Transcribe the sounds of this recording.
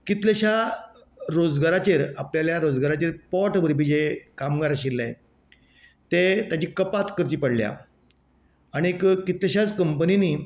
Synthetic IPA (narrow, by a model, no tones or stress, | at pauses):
kit̪leɕa | ɾod͡zɡaɾat͡ɕeɾapljaljaɾod͡zɡaɾat͡ɕeɾpɔʈbəɾibid͡ʑekamɡaɾaɕilːaj | t̪et̪jat͡ɕiːkəpat̪kəɾt͡ɕiːpəɽlja̰ | aɽ̃iekkit̪ləɕat͡skəmpəniniː